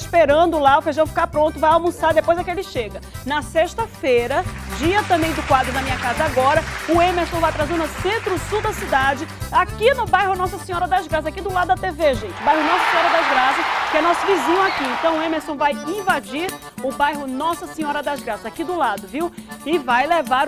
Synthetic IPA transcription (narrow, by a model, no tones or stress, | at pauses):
speɾɐ̃nd̪ʊlaofeʒɐ̃w̃fi̥kapɾõnt̪ʊvajawmʊsaɾd̪epojzɐkɪelɪʃeɡɐnɐseʃt̪ɐfejɾɐd͡ʒiɐt̪ɐ̃mbẽj̃d̪ʊkwad̪ɾʊnɐmĩɲɐkazɐaɡɔɾɐʊẽmeɾsõw̃vajt̪ɾazẽʊnɐsẽnt̪ɾʊsuwd̪ɐsid̪ad͡ʒɪakinʊbajɦʊnɔsɐsẽɲɔɾɐd̪azɡɾas̬ɐzakid̪ʊlad̪ʊd̪ɐt̪eveʒẽt͡ʃɪʊbajɦʊnɔsɐsẽɔɾɐd̪azɡɾasɐkɪɛnɔsʊvizĩɲʊakiẽnt̪ɐ̃w̃ʊẽmeɾsõw̃vajĩvad͡ʒiɾ | ʊbajɦʊnɔsɐsẽɲɔɾɐd̪azɡɾasɐzakid̪ʊlad̪ʊviwɪvajlevaɾ